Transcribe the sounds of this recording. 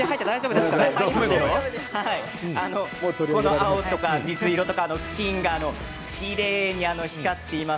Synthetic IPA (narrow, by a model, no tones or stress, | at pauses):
eɦait̪ːad̪aiʑo̞bɯd̪eskaemeoohai | ano̞ot̪oɾikonoaot̪ːo̞kamʲizɨiɾo̞t̪o̞kaːno̞̥kʲĩŋɡaːno̞ | kiɾe̞ːɲ̟iano̞çi̥kat̪ːe̞ima